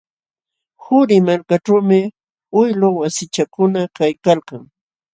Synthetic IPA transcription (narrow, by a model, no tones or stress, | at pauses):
hʊɾɪmaɾkaʈ͡ʂawmɪ | ʊjlowasɪt͡ʃakʊnakajkalkaŋ